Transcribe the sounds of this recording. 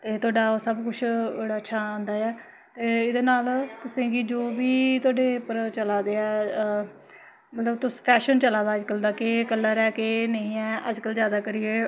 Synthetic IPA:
t̪eːt̪ʰʊaːɖaːosəbkʊt͡ʃʰbəɽaːətːʃʰaːãːnd̪aːɛː | t̪eːɪd̪eːnaːlt̪ʊsĩːɡid͡ʒoːʋiːt̪ʊaːɖeːpəɾt͡ʃəlaːd̪eːɛː | mət̪ləbt̪ʊspʰɛːʃənt͡ʃəlaːd̪aːəd͡ʒkəld̪aːkeːkəlːaːɾɛːkeːnəĩːɛːəd͡ʒkəlzjaːd̪aːkəɾɪeː

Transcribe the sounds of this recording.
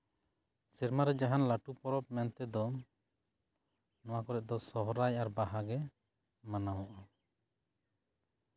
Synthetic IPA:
sɛɾmaɾɛd͡ʒaɦanlaʈupɔɾɔp̚mɛnt̪ɛd̪ɔ | nɔwakɔɾɛʔ̚d̪ɔsɔɦɔɾajʔaɾbaɦaɡɛ | manawɔʔa

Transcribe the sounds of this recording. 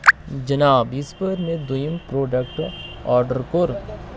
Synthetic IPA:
d͡ʒɐnaːbɪspəɾmẽd̪ʊjmpɾoːɖək̚ʈɔːɾɖəɾkoɾ

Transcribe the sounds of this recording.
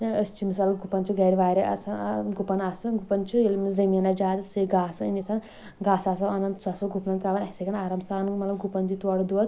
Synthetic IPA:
ɐst͡ʃimsɐlɐɡupɐnt͡ʃuɡɐɾiʋaːɾiɐ̰sɐɡupɐnaːsɐɡupɐnt͡ʃuilmzɐjmɐnɐd͡ʒaːt̪ɐsiɡaːsɐinisʰɐn | ɡaːsaːsɐmɐnɐnt̪sɐsɐɡupnɐnt̪ɾaʋɐnɐsiɡɐnaːɾɐmsaːnmɐlɐmɡupɐnd̪it̪oːɽud̪uʋɐt̪

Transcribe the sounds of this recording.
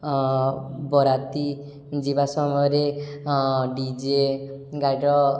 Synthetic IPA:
bɔɾat̪i | d͡ʒibasɔmɔjɾe | ɖid͡ʒeɡajɖɔ

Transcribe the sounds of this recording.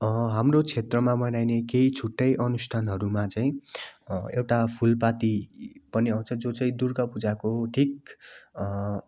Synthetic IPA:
ɦamrot͡sʰet̪rʌmamʌnajnekeit͡sʰuʈːʌjʔʌnusʈʰanɦʌɾumat͡saĩ | ewʈapʰulpat̪ipʌniaw̃t͡sʰʌd͡zot͡saĩd̪urkʌpud͡zakoʈʰik̚

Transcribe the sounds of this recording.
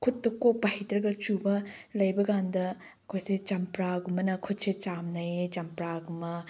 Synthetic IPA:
kʰutːɐkopːɐhitɾɐɡɐt͡ʃubɐlɐjbɐɡandɐ | ɐkʰojset͡ʃɐmpɾaɡumɐnɐkʰut̚set͡ʃamnɐjt͡ʃɐmpɾaɡumɐ

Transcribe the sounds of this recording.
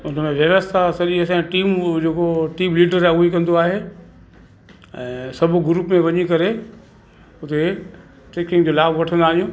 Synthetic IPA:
ʊn̤əmẽʋjɐʋəst̪ʰasɐɗiəs̬ãʈiːmd͡ʑeːkoʈiːmliːɖəɾauikɐ̃nd̪oaːɦe | ɛ̃ːsɐbʱʊ̆ɡɾuːpmẽʋɐɲikɐɾe | ʊt̪e | ʈeːkɪ̃ŋɡd͡ʑoːlaːbʋɐʈʰə̃nd̪aːɗijũː

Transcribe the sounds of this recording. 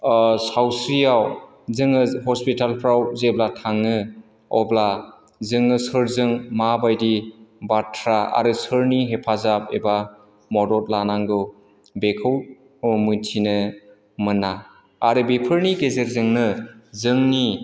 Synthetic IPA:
sawsɾijaw | zɯŋɯhɔspitalpʰɾawzeblatʰaŋːɯ | ɔbla | zɯŋɯsɯɾzɯŋmabajdibatʰɾaa̰ɾɯsɯɾniɦepʰazap̚eba | mɔdɔt̚lanaŋɡɯ | bekʰɯw | mɯntʰinɯ | mɯnaː | ɾɯbepʰɯɾniɡezeɾzɯŋnɯzɯŋni

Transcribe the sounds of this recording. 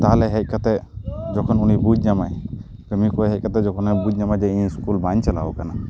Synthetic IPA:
t̪aɦalɛɦɛc̚ˀkat̪ɛd͡ʒɔkʰɔnunibud͡ʒɲamaj | pəmikɔeɦɛc̚ˀkat̪ɛd͡ʒɔkʰɔnəbud͡ʒɲamajd͡ʒɛiɲskulbaɲt͡ʃɛla̰ɔkana

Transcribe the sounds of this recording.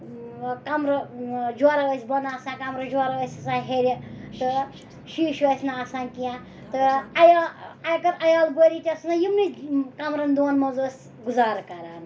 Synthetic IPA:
kɐmɾɐd͡ʒwaɾaʋɐsʲbɐnaːsãːkɐmɾɐd͡ʒaɾaʋɐsʲɐsãɦeɾʲit̪ɨ | ʃiːʃʋɐsʲnaːsaːnkijã | t̪ɨɐjaɐjkɐɾɐjaːlbəɾʲitʲɐsɨnajimnikɐmɾɐnd̪oːnmɐzoːsʲ | ɡuzaːɾkɐɾaːn

